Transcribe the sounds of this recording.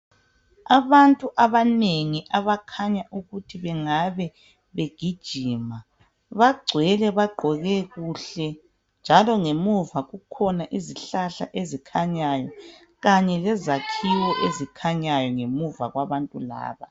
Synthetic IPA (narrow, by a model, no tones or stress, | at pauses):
aβantʼuʔaβaneŋiʔaβakʰaɲaʔuɣutʰiβɛŋaβɛ | βeɡ̥ʱid̥ʒ̥ʱiːma | βaɡ͡ǀʱwɛlɛβaɡ͡ǃʱɔɣɛɣuɬɛ | nd͡ʒʱalɔŋemuvaɣukʰɔnaʔiziɬaɬa̰ʔezikʰaɲajɔ | ɣaɲɛlɛzakʰiwɔʔezikʰaɲajɔŋemuvaɣwaβantʼula̰ːβa